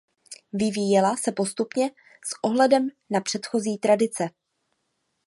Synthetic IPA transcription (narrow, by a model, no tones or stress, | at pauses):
vɪviːjɛlasɛpo̞st̪upɲɛ | sʔo̞ɦlɛdɛm | napr̝̥ɛt̪xo̞ziːt̪ɾadɪt͡sɛ